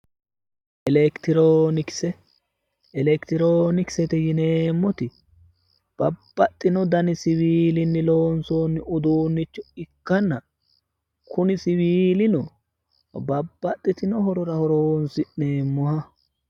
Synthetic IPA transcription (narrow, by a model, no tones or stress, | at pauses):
ʔɛlɛkt̪ɪɾoːnɪksɛ | ɛlɛkt̪ɪɾoːnɪksɛt̪ɛjɪneːmːɔt̪ɪ | b̥ɐb̥ːɐt̪ʼːɪnɔd̪ɐnɪsɪβiːlɪnːɪloːnsoːnːɪʊd̪uːnːɪt͡ʃːɔɪkːɐnːɐ | kʰʊnɪsɪwiːlɪnɔ | bɐbːɐt̪ʼːɪt̪ɪnɔɦɔɾɔɾɐhɔɾoːnsɪʔne̞ːmːʊhɐ